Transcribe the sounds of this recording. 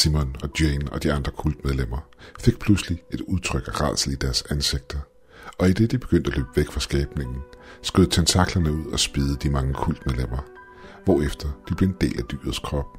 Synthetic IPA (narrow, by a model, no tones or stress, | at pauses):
simɔnɒ̽d̥jenɒ̽d̥iɑ̈nd̥ʁɐkʰul̰d̥með̞ˠlem̰ɐfe̝ɡ̥̚pʰluslie̝d̥uð̞ˠt͡sʰʁœɡ̥æʁɑ̰̈ːsl̩id̥æɐsænse̝ɡ̥̚d̥ɐ | ɒ̽id̥e̝d̥ib̥e̝ɡ̥øn̰d̥ælø̰ːb̥ʋeɡ̥fʁɑ̈sɡ̥ɛːb̥ne̝ŋn̩sɡ̥øð̰ˠt͡sʰent͡sʰɑ̈ɡ̥lɐnəuð̞̰ˠɒ̽sb̥iːð̞ˠəd̥imɑ̈ŋəkʰul̰d̥meðˠlem̰ɐ | ʋɒːefd̥ɐd̥ib̥le̝e̝nd̥e̝̰ːlæd̥y̰ːɐð̞̩ˠskʰʁɒ̽b̥̚